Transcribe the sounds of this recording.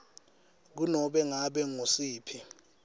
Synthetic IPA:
k̬unɔɓɛŋaɓɛŋosiːpʰi

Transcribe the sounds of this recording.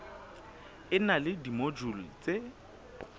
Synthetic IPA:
ɪnalɪdimod͡ʒulit͡sʼe

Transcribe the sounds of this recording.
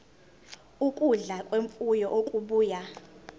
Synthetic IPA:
ukʼuɮakʼweɱfujɔʔokʼuɓuːja

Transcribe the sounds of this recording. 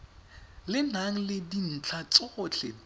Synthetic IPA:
lɪnaŋ̩lɪdin̩t͡ɬʰat͡sʼʊt͡ɬʰɛ

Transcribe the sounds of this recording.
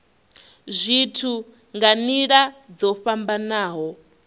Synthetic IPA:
zʷitʰu | ŋɡaniɺad͡zɔɸambanaːɦɔ

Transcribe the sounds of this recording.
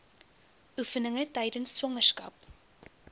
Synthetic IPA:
ʔufənəŋətɛjdənsːwɐŋərskɐ̰p

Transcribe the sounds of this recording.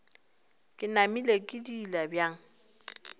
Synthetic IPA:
kʼɪnamilekʼɪdilabjaːŋ̩

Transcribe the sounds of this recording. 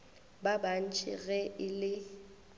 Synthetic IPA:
baban̩t͡ʃʰʼɪ̰ɣɛʔɪlɪ

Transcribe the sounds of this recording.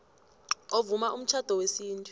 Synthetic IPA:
ovumaʔum̩t͡ʃʰad̥ʱɔwesiːntʼu̥

